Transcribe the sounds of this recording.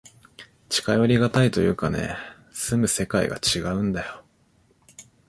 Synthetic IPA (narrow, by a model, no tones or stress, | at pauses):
t͡ɕi̥kajo̞ɾʲiɡat̪ait̪o̞jɯ̟̰ːkane̞̰ | sɨmɯ̟se̞kaḭɡa̰t͡ɕiɡaɯ̟̃nd̪ajo̞